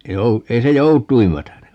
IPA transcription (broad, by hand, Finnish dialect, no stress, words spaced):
ei jou ei se joutˑuim mætæne